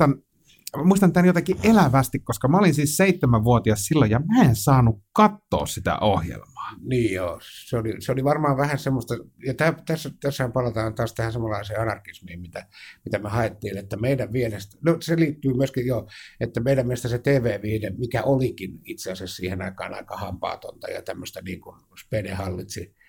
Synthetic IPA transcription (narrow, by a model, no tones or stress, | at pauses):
ɑn | muist̪ɑnt̪ænjot̪ɑkiʔelæʋæst̪ikkoskɑmæolinsiːsseit̪ːemæʋʋuot̪iɑssilːojjɑmæensɑːnukkɑt̪ːo̰ːssit̪æ̰ʔohjḛlmɑ̥ːniːjjoːseolḭseoliʋɑrmɑːʋʋæhænsemːost̪ɑjɑt̪æːt̪æsːæt̪æsːæhæmpɑlɑt̪ɑːnt̪ɑːst̪æhænsemːolːɑiseːɑnɑrkismiːmmit̪æmit̪æmehɑet̪ːiːnet̪ːæmeidæʋʋielest̪noseliːt̪ːyːmyøskijjoet̪ːæmeiɾæmmieest̪æset̪eːʋeːʋiːnemikæʔolikinit̪seɑsæssiːhenɑikɑ̰ːnɑ̰ikɑhɑmpɑ̰ːt̪o̰nt̪ɑ̰jɑ̰t̪æmːøst̪ænḭːŋkun | spenehɑlːit̪si